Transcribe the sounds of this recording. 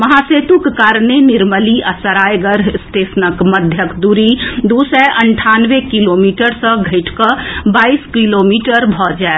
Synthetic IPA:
mɐɦaseːt̪ukkaːɾnenɪɾməliʔəsəɾaːjɡəɾst̪eːsnəkməd̪ʱjəkd̪uɾid̪usɛʔəɳʈʰaːnʋekiloːmiːʈəɾsə̃ɡʱəɪʈkəbaːiskilomiːʈəɾbʱɔd͡ʒae

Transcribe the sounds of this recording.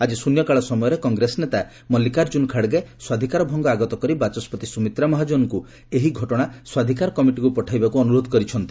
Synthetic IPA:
ad͡ʒisunjɔkaɭɔsɔmɔjɔɾekɔŋɡɾesnet̪a | mɔlikaɾd͡ʒunkʰaɽɡeswad̪ʱikaɾɔbʱɔŋɡɔaɡɔt̪ɔkɔɾibat͡ʃɔspɔt̪isumit̪ɾamɔɦad͡ʒonɔku | eɦiɡʱɔʈɔɽ̃aswad̪ʱikaɾɔkɔmiʈikupɔʈʰajbakuɔnuɾod̪ʱɔkɔɾit͡ʃʰɔnt̪i

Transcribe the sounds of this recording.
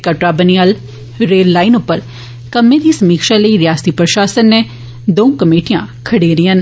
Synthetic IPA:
kəʈɾaːbənijal | ɾeːlːaːɪnʊpːəɾ | kəmːẽd̪iːsəmiːkʃaləiɾɪjaːst̪ipɾəʃaːsənːe | d̪õːkəmeːʈijãkʰəɽeɾiːən

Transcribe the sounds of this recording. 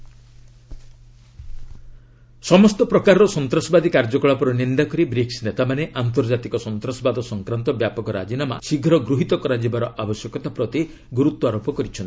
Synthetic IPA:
sɔmɔst̪ɔpɾɔkaɾɔɾɔsɔnt̪ɾɔsɔbad̪ikaɾd͡ʒɔkɔɭapɔɾɔnind̪akɔɾibɾiksnet̪amaneʔant̪̬ɔɾd͡ʒat̪ikɔsɔnt̪ɾasɔbad̪ʱɔsɔŋkɾant̪ɔbjapɔkɔɾa̰d͡ʒinama̰siɡʱɾɔɡɾuɦit̪ɔkɔɾad͡ʒibaɾɔʔabɔsjɔkɔt̪apɾɔt̪i | ɡuɾut̪wɔaɾopɔkɔɾit͡ʃʰɔnt̪i̥

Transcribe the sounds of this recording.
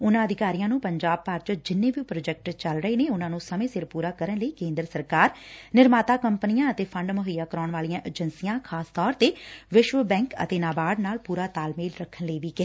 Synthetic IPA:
ʊnãːəd̪ɪkaːɾijãːnũːpəɲd͡ʒaːb̚paːɾt͡ʃəd͡ʒɪnːeːbipɾoːd͡ʒɛk̚ʈt͡ʃəlɾəeːneːʊnãːnũːsəmẽːsɪɾpuːɾaːkəɾənləiːkẽːnd̪ɾəsəɾkaːɾnɪɾmaːt̪aːkəmpnijãːət̪eːpʰəɳɖmʊɦəjaːkəɾaːɳʋaːlijãːʔəd͡ʒənsijãːkʰaːst̪ɔːɾt̪eːʋɪʃʋəbɛ̃ːŋkə̰t̪eːnaːbaːɖnaːlpuːɾaːt̪aːlmeːlɾəkʰːənləiːʋiːkɪ

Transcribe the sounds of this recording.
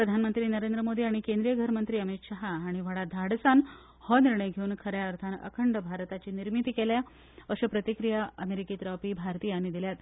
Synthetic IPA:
pɾəd̪ʱanmənt̪ɾiːnəɾend̪ɾəmod̪ʱiːaɽ̃ikend̪ɾijəɡʱəɾmənt̪ɾiːəmit̪ɕaɦaːɽ̃iʋəɽad̪ʱaɽsan | hɔniɾɳəjɡʱeuːnkʰəɾjaəɾt̪ʰanə̰kʰəɳɖəbʱaɾt̪at͡ɕiːniɾmit̪iːkelja | əɕəpɾət̪ikɾijaəmeɾikiːt̪ɾɔpiːbʱaɾt̪iːañid̪iljat̪

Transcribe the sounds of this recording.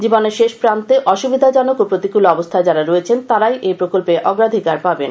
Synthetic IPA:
d͡ʑiboneɾʃeʃpɾant̪eʔɔʃubid̪ʱad͡ʑɔnokopɾot̪ikuloɔbost̪ʰaed͡ʑaɾaɾɔet͡ɕʰent̪aɾajʔejpɾokolpeʔɔɡɾad̪ʱikaɾpabḛn

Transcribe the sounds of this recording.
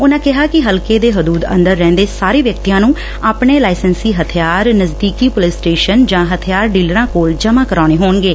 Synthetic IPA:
ʊnãːkɪɦaːkɪɦəlkeːd̪eːɦʊd̪uːd̪ə̰̃nd̪əɾːɛ̃ːnd̪eːsaːɾeːʋjək̚t̪ijãːnũː | aːpɳeːlaːɪsənsiːɦət̪ʰɪjaːɾnəzd̪iːkiːpʊlɪsʈeːʃənd͡ʒãːɦət̪ʰɪjaːɾɖiːləɾãːkoːld͡ʒəmãːkəɾaːɽ̃eːɦoːɳɡeː

